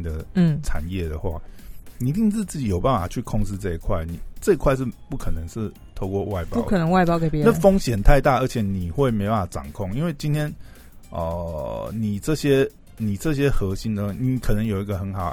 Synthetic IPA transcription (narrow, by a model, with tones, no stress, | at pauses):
d̪ə˨˥˩ʈ͡ʂʰa̰˨˩njɛ˥˩d̪ə˩xwa̰˥˩ni˨i˧˥t̪i˥˧ŋt͡sɹ̩˥˧t͡s̩˥˩t͡ɕi˨˩jo˨˩ʊpa˥˩nfa̰˨˩t͡ɕʰy˥˧kʰɔ˥˧ŋt͡sɹ̩˥˧t͡sɤ˥˧i˨˩kʰwa˥˩ɪni˨˩t͡sɤ˥˧i˧kʰwa˥˧ɪʂ̬̩˥˧pu˥˩kʰɤ˨˩nə˧˦ŋʂɻ̩˥˩ | t̪ʰo˥˧ʊkwɔ˥˧wa˥˩ɪpjɑ̰˥u˥˦kʰə˨˩nə˧˦ŋwa˥˧ɪpjɑ˥ʊke˨˦jna˥˧fo˥ŋɕjɛ˨˩nt̪ʰa˥˧ɪt̪a˥˩˨ə˞˧˥t͡ɕʰjɛ˨˩ni˨˩xwe˥˩ɪme˧˥ɪpa˥˩fa˨˩ʈ͡ʂɑ̰˨˩ŋkʰɔ˥˧˨ŋi˥nwe˥˩ɪt͡ɕi˥nt̪ʰjɛ˥n | ə̰˨˩ni˨˩t͡sɤ˥˩ɕjɛ˦˥ | ni˨˩t͡sɤ˥˩ɕ̬jɛ˦˥xɤ˧˦ɕi˧˦nd̪ə˨˥˩ni˨˦kʰə˨˩nə˧˦ŋjo˨˩ʊi˧ɡə˧xə˧˦nxɑ˨˦